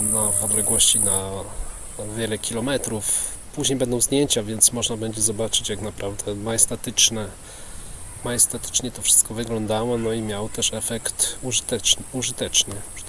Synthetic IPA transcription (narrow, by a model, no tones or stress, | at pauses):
navɔd̪lɛɡwɔɕt͡ɕina | vʲjɛlɛkʲʰilɔmɛt̪ɾufpuʑɲejbɛnd̪ɔ̃w̃zd̪ɲjeɲt͡ɕavʲjɛnt̪smɔʐnabɛɲd͡ʑɛzɔbat͡ʂɘt͡ɕjaknapɾʔavd̪ɛmajɛst̪ɛt̪ɘt͡ʂnɛ | majɛst̪ɛt̪ɘ̥t͡ʂɲɛt̪ɔfʂɘ̥st̪kɔvɘɡlɔnd̪awɔnɔimʲjawɔt̪ɛʂɛfɛkt̪ut̪ɛuʐɘt̪ɛt͡ʂnɘ